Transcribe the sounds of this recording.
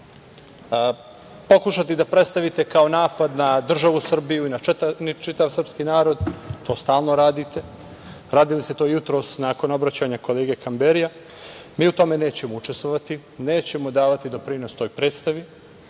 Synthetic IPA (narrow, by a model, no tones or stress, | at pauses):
po̞kuʃat̪id̪apɾe̞t̪st̪aʋit̪e̞kao̞naːpad̪nad̪r̩ʒaʋusr̩bijuinanit͡ʃit̪aʋsr̩pskinaːɾo̞d̪t̪o̞ːst̪aːlˠno̞ɾaːd̪it̪ʰe̞ | ɾaːd̪iliset̪o̞ːjut̪ɾo̞ːsnaːko̞no̞bɾat͡ɕaɲako̞leːɡe̞kambeɾija | miːut̪o̞me̞ne̞ːt͡ɕe̞mo̞ut͡ʃe̞st̪ʋoʋat̪i | ne̞ːt͡ɕe̞mo̞d̪aːʋat̪id̪o̞pɾino̞st̪o̞ːjpɾe̞ːt̪st̪aʋi